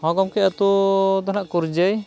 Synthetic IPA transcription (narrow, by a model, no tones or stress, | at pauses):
hɔɡɔmkɛʔat̪ud̪ɔnaʔkuɾd͡ʒəj